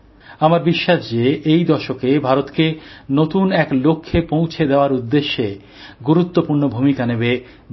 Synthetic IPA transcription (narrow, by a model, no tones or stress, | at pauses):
amaɾbiʃːaʃd͡ʑeʔejd̪ɔʃokebʱaɾot̪kenot̪unɛklokʰːepõw̃t͡ɕʰed̪eoaɾud̪ːeʃːe | ɡuɾut̪ːopuɾnobʱumikanebe